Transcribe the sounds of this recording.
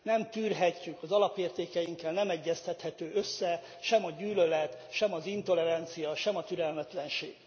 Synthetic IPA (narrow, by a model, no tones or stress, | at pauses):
nɛmt̪yːrɦɛcːykɒzɒlɒpeːrt̪eːkɛjiŋkːɛlnɛmɛɟːɛst̪ɛt̪hɛt̪øːøsːɛ | ʃɛmɒɟyːlølɛt̪ʃɛmɒzint̪o̞lɛɾɛnt̪sijɒʃɛmɒt̪yɾɛlmɛt̪lɛnʃḛːɡ̥